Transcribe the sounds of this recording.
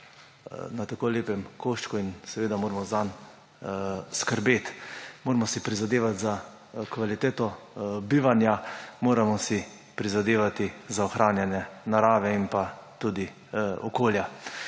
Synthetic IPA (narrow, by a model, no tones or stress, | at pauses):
nat̪akoːleːpɛmkoʃt͡ʃkuinsɛʋeːd̪amoːɾmɔzan | skəɾbeːt̪moːɾmɔsipɾizad̪eːʋat̪za | kʋalit̪eːt̪ɔbiːʋanjamoːɾamɔsi | pɾizad̪eːʋat̪izaɔxɾʔaːnjanjɛnaɾaːʋɛimpat̪ud̪i | ɔkoːlja